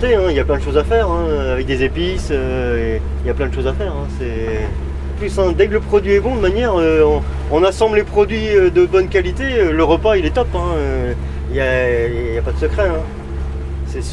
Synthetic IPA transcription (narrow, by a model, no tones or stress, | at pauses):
t̪eɛ̃iljaplɛ̃d̪əʃozafɛʁɛ̃øavɛk̚d̪ezepisø | iljaplɛ̃d̪əʃozafɛʁɛ̃sɛ | plysɛ̃d̪ɛkləpχɔd̪ɥiɛbɔ̃d̪əmanjɛʁøɔ̃ | ɔ̃nasɑ̃blepχɔd̪ɥiød̪əbɔnkalit̪eøləʁəpailɛt̪ɔpɛ̃ø | iljajapad̪əsəkχɛɛ̃ | sɛs